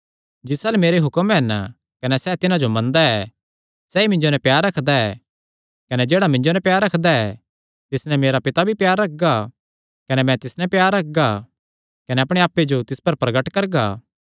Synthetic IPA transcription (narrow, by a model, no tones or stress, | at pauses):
d͡ʒɪsalɛmeːɾeɦʊkəmɛn | kɐnɛsɛːt̪ɪnãd͡ʒomɐ̃nd̪aɛ | sɛːimɪ̃ɲd͡ʒonɛ̃pjaːɾːɐkʰd̪aɛ | kɐnɛd͡ʒeːɽamɪ̃ɲd͡ʒonɛ̃pjaːɾːɐkʰd̪aɛ | t̪ɪsnɛ̃meːɾapɪt̪abʱipjaːɾːɐk̚ʰɡa | kɐnɛmɛ̃t̪ɪsnɛ̃pjaːɾːɐk̚ɡa | kɐnɛɐpɽ̃eaːpːed͡ʒot̪ɪspɐɾpɾɐɡəʈkɐɾɡaː